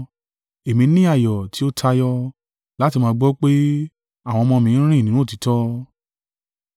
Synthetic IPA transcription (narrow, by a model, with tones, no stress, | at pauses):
e˨mĩ˧˦nĩ˦a˦˨jɔ˨ti˨˦o˦tʰa˧jɔ˦ | la˦ti˧mãː˧˦˧ɡ͡bɔ˦k͡pe˦ | a˦˨w̃ɔ̃˧mɔ̃˧mĩ˧˦ɾ̃ĩ˦˨nĩ˨˦ũ˦˨ti˨˦tɔ˦